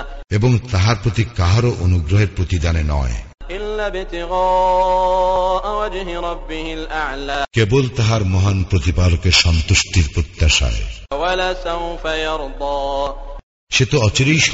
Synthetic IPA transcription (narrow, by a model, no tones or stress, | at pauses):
eboŋt̪aɦaɾpɾot̪ikaɦaɾoʔonuɡɾoɦeɾpɾot̪id̪anenɔ̰e | ʔɪlːaːbɪt̪ɪɣɑː | ʔwad͡ʒɦɪɾˤɑbːɪhɪlʔaʕlaːkebolt̪aɦaɾmɔɦanpɾot̪ipalokeɾʃɔnt̪uʃʈiɾpɾot̪ːaʃa̰ewalaːsawfajɑɾˤd̪ˤɑː | ʃet̪oɔt͡ɕoɾejʃ